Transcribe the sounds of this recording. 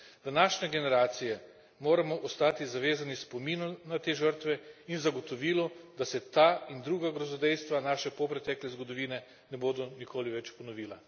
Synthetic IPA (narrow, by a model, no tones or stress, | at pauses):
d̪anaːʃɲɛɡɛnɛɾaːt̪sijɛ | moːɾamɔʔɔst̪aːt̪izaʋeːzanispomiːnɔnat̪eːʒəɾt̪ʋɛinzaɡɔt̪ɔʋiːlɔd̪asɛt̪aːind̪ɾuːɡaɡɾɔzɔd̪ɛjst̪ʋanaːʃɛpɔpɾɛt̪ɛːklɛzɡɔd̪ɔʋiːnɛ | nɛboːd̪ɔnikʰoːliʋɛt͡ʃpɔnɔʋiːla